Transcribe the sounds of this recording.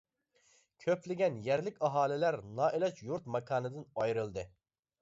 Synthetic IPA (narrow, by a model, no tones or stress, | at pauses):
kʲʰøplɪɡʲɛnjɛɾlɪkʲɑɦɑːlˠɪlæɾnɑːʔelˠɛt͡ʃjuɾt̪mɑkʰɑːnɨd̪ɨnɑjɾɨlˠd̪ɨ